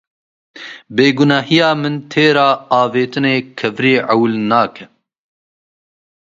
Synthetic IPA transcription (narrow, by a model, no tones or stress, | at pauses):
beːɡʊnɑːɦijɑːmɨnt̪ʰeːɾɑːɑːveːt̪ɨneːkʰɐvɾiːʕawlnɑːkʰɛ